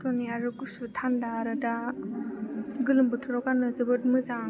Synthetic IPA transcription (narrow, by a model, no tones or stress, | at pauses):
tonijaɾɯɡusutʰandaɾɯda | ɡɯlɯmbɯtʰɯɾɔkanɯzɯbɯt̚mɯza